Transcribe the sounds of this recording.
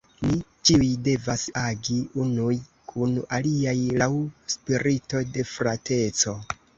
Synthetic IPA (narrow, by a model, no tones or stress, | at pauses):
mit͡ʃiujde̞vasaɡiunuj | kʰunaliajlawspiɾito̞de̞fɾatʰe̞t͡so̞